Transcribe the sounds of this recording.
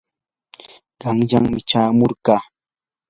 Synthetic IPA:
ɢɑŋʎaŋmɪt͡ʃaːmoɾɢɑː

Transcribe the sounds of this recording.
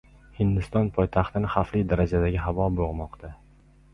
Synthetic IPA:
hɪnd̪ɪst̪ɒnpʰɒjt̪ʰaχt̪ɪnɪχaflijd̪aɾad͡ʒad̪aɡʲɪɦavɒboʁmɒqt̪ʰa

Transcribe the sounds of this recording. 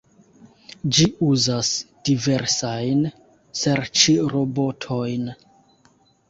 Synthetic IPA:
d͡ʒiuzasd̥ive̞ɾsajn | seɾt͡ʃiɾo̞bo̞tʰo̞jn

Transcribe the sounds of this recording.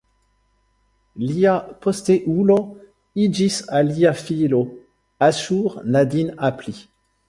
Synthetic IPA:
liapɔst̪eʔulo | id͡ʒisaliafilo | aʃuʁnad̪inapli

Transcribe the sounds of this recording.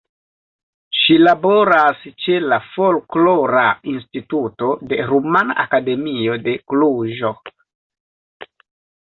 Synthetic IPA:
ʃilabo̞ɾast͡ʃe̞lafo̞lklo̞ɾainstituto̞de̞ɾumana̰ʔakade̞mio̞de̞kluʒo̞

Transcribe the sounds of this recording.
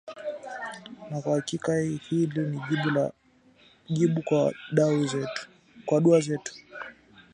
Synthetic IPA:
nakwahakikaihiliniiɓ | ʄiɓukaɗauzɛ | kwaɗuazɛtu̥

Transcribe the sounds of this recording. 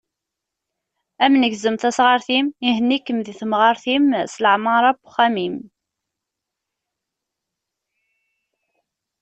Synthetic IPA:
æmnəɡzəmθæsʁəɾθimiɦənːikːəmðiθəmʁɑɾθimsləʕmɑɾˤɑbʊ̥χæmim

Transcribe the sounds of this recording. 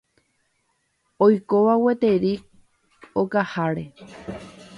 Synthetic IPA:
ojkoʋawe̞t̪e̞ɾik̚ | okahaɾe̞

